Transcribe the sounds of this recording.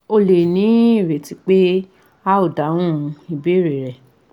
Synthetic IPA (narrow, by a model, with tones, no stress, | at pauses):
o˧le˨nĩ˨˦i˦˨ɾe˨ti˨˦k͡pe˦ | a˦o˦˨dã˨˦ũ˦˧i˧be˦ɾe˨ɾɛ˨